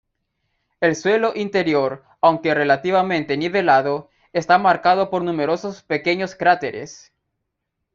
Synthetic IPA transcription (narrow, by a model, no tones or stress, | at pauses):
e̞lswe̞lo̞ʔint̪e̞ɾjo̞ɾ | awŋke̞re̞lat̪iβamẽ̞nt̪eniβe̞laðo̞ | est̪amaɾkaðo̞po̞ɾnũme̞ɾo̞sospe̞ke̞ɲoskɾat̪eɾḛs